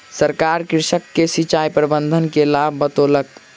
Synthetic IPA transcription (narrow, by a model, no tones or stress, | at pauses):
səɾkaɾkiɾsəkːesit͡ʃaipɾəbənd̪ʱənkelabːət̪olək